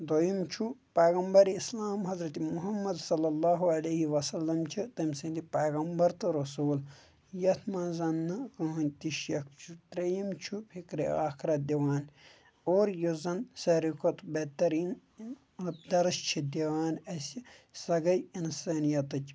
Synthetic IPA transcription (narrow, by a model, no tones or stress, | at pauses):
d̪ojimt͡ʃʰupɐːɣɐmbɐɾislaːmɦɐzɾɐt̪imuɦɐmːɐd̪sɐlːɐlːaːɦuɐlɐɦiʋɐsɐlːɐmt͡ʃʰit̪ɐmʲsɐ̃nd̪ipɐːɣɐmbɐɾt̪ɨɾɐsuːl | jɐt̪ʰmãːzɐnːɐkɐːɐnʲt̪iʃjɐkt͡ʃʰut̪ɾejimt͡ʃʰupʰikɾḭaːxʰɾɐt̪̚d̪iʋaːn | oːɾjozɐnsɐɾikot̪bet̪ɐɾiːn | ɐd̪ɐɾɐʃt͡ʃʰid̪iʋaːnɐsʲisɐɡɐjinsaːnijɐt̪ɨt͡ʃʲ